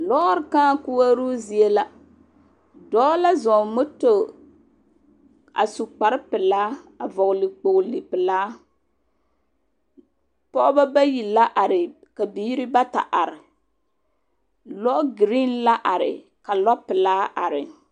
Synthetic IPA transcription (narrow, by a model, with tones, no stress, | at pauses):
lɔ˦ɾkãː˦ku˦wa˦ɾu˦zi˨e˦la˦ | dɔː˦la˦zɔ˨mo˦to˨ | a̰˨su˨k͡pa˨ɾɪ˦pɨ˨laː˦a˨vɔ˨ɣʊ˨li˨k͡po˨ʔli˨pɨ˨laː˦ | pɔ˦ʔba˦ba˦ji˨la˦ʔa˨ɾɪ˨ | ka˨biː˨˦ɾi˦ba˦ta̰˨ʔa˨ɾɪ˨ | lɔ˦ʔɡɾi˦nla˦ʔa˨ɾɪ̰˨ | ka˨lɔ˦pːɨ˨laː˦ʔa˨ɾɪ˨